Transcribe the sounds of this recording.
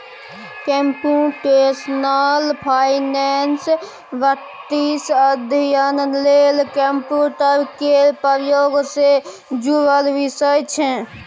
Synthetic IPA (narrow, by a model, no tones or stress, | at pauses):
kempuʈesnalpʰaɪnɛns | bə | ʈːisəd̪ʱijənlelkempjuʈəɾkepəɾjoːɡse | d͡ʒuɾəlʋisəjt͡ʃʰɛ̃